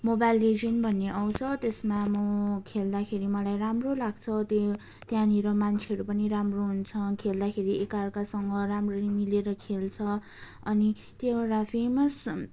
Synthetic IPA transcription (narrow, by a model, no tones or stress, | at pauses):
mobajlːed͡zinbʱʌnːeʔawt͡sʰʌt̪esmamʌkʰeld̪akʰeɾimʌlajramrolaɡt͡sʰʌt̪o | t̪jãniɾʌmant͡sʰeɦʌɾupʌniɾamroɦunt͡sʰʌkʰeld̪akʰeɾiʔekarkasʌŋɡʌramrʌmileɾʌkʰelt͡sʰʌ | ʌni | t̪jeɾapʰemʌs